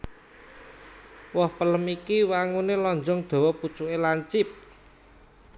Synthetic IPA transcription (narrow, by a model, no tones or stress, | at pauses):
wɔhpələmikiwaŋunelɔɲd͡ʒɔŋd̪̥o̤wɔput͡ʃuʔelaɲt͡ʃɪp̚